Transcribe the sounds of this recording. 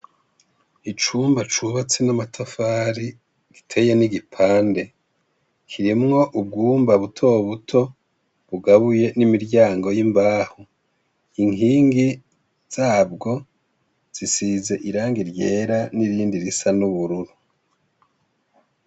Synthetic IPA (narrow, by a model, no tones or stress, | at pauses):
it͡ʃuːmbat͡ʃuβat͡senamatʰafaːɾi | ɡ̥itʰe̞je̞niɡipʰaːnde̞ | kʰiɾimŋo̞ʔub̚ɡuːmbaβutʰo̞βutʰo̞ | βuɡaβuje̞nimiɾɟaːŋɡo̞jimbaːho | iŋhiːŋɡi | z̥aːb̚ɡo̞ | z̥isize̞ʔiɾaːŋɡiɾje̞ːɾaniɾiːndiɾisanuβuɾuɾu